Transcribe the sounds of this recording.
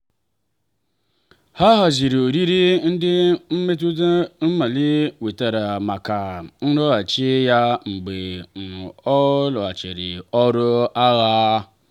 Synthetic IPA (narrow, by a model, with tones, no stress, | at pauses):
ha˦ɦa˨zi˨ɾi˨o˨ɾi˦ɾi˦n̩˦dɪ˦m̩˦me˦t̬u˦da˦n̩˦ma˨li˦we˨ta˨ɾa˨ma˨ka˨n̩˦ɾɔ˦a˨t͡ʃi˦ja˦ŋ͡m̩˨ɡ͡be˨n̩˨ɔ˦lɔ˨a˨t͡ʃḛ˨ɾɪ̰˨ɔ˦ɾʊ˦a˦ɣa˦